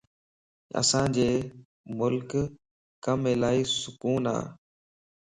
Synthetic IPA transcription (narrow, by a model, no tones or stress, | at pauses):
ə̰sãːd͡ʑeː | mʊlk | kəmeːlaːiːsʊkuːna̰ː